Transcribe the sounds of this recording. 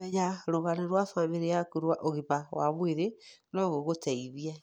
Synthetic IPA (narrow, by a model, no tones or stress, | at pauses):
ɛɲaɾoɣanaɾwafameɾejakuɾwaʔoɣiβawa̰mweɾe | nɔɣoɣotʰɛiðiɛ